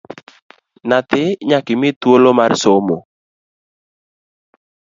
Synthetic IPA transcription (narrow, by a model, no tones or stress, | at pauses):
nat̪ɪɲakɪmɪt̪wolomarsomo